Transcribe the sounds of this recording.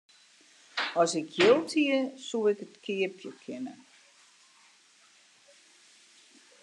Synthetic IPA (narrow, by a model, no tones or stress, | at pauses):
ɔsɪkjɪlˠtʰiəsuɪkətkʰɪəpʰjəkʰɪnə̰